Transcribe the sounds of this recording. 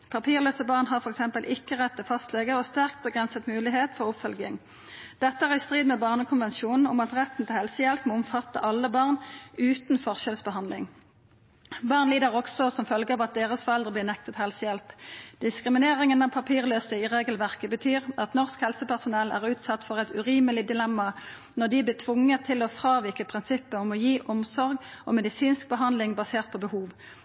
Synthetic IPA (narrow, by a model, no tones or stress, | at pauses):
pʰɑpʰiːʁløːsəbɑːʁnɦɑʁfɔʁɛksɛmpəlʔɪkːəʁɛt̪ːəfɑst̪leːɡəʁɔst̪æʁk̚t̪̚bəɡʁɛnsət̪mʉːlɪɦeːt̪fɔʁʊpfœlɡɪŋ | d̪̥ɛt̪ːəæːʁɪst̪ʁiːd̪mɛːbɑːʁnəkʰʊnʋɛnʃuːnn̩ʊmɑt̪ʁɛt̪n̩t̪ɪlhɛlsəjɛlpmɔʊmfɑt̪ːə̰ʔɑlːəbɑːʁnʉːt̪n̩fɔʁʃɛlsbəhɑnd̪lɪ̰ŋ | bɑːʁnliːd̪əʁɔksɔsɔmfœlɡəɑːʋɑt̪̚d̪eːʁəsfɔʁɛld̪ʁəbliːʁnɛk̚t̪ət̪hɛlsəjɛlpd̪̥ɪskʁɪmɪneːʁɪŋənɑʋpʰɑpʰiːʁløːsəɪʁeːɡəlʋæʁkəbət̪ʰyːʁɑt̪nɔʁskhɛlsəpæʁsʊnɛlæ̰ːʁʉːt̪sɑt̪fɔʁɛɪt̪ʉʁiːməlɪd̪ɪlɛmːɑ | nɔʁd̪ɪblɪːt̪ʰʋʊŋːət̪ʰɪlɔfʁɑːʋɪkəpʰʁɪnsɪpːəɔmɔjiːʔɔmsɔʁɡʔɔmɛd̪ɪsiːnsk̚bəɦɑnd̪lɪŋbɑseːʁt̪̚pʰɔbəhuːʋ